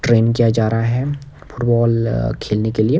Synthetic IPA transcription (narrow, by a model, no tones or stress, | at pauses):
ʈɾeːnkijad͡ʒaːɾaɦaɦɛ | fʰʊʈbɔːlkʰeːlnekelie